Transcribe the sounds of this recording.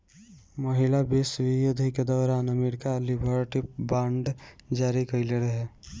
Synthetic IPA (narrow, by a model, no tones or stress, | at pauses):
məɦɪlabesʋijoːd̪ʱiked̪ɔːɾaːnəmeɾkalibʱəɾʈip̚bãːɳɖd͡ʒaːɾikəɪleɾəɦɛ